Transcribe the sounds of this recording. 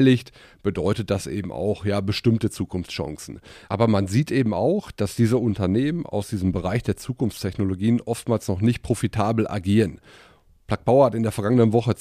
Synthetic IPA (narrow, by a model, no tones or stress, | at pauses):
lɪçt | b̥ədɔʏtət̚d̥asʔḛːbm̩ʔa̰ʊxjaːbəʃtɪmtət͡suːkʊnft͡sʃã̰ŋsn̩ʔa̰ːbɐmanziːtʔeːbm̩a̰ʊxd̥asd̥iːzəʊntɐneːmənʔa̰ʊsd̥iːzəm̩bəʁ̞aɪçd̥eːɐt͡suːkʊnft͡stʰɛçnoloɡiːənʔɔftmaːlsnɔχnɪçt̚pʁ̥ofitʰaːbl̩ʔa̰ɡiːʁən | pl̥ak̚b̥aʊɐhatɪndeːɐfɛɐɡaŋənənvɔχə